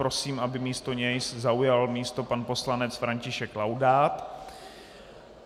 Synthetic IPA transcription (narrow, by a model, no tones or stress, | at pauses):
ɾo̞siːmʔabɪmiːst̪o̞ɲɛjszaujalmiːst̪o̞panpo̞slanɛt͡sfɾaɲcɪʃɛklawdaːt̪